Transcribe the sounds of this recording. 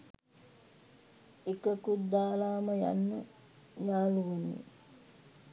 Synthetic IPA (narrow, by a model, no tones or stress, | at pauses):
ekəkud̪ːaːlaːməja̰nːə | jaːluʋenḭ